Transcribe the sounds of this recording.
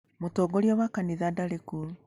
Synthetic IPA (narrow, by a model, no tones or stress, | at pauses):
motoɡoɾiɔwakaniðadaɾekul